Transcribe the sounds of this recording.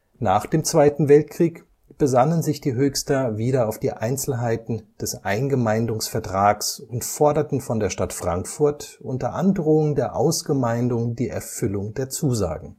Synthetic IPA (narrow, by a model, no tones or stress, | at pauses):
naːχd̥eːmt͡sv̥aɪtn̩vɛlt̚kʁ̥iːk | b̥əzanənzɪçd̥iːɦøːçstɐviːɾɐaʊfd̥iːʔaɪnt͡sl̩ɦaɪtn̩d̥ɛsʔa̰ɪnɡəmaɪndʊŋsfɛɐtʁ̥aːksʊntfɔɐdɐtn̩fɔndeːɐʃtatfʁ̥aŋkfʊɐtʔʊntɐʔandʁoːʊŋdeːɐʔaʊsɡ̥əmaɪndʊŋdiːʔɛ̰ɐfʏlʊŋdeːɐt͡suːza̰ːɡŋ̩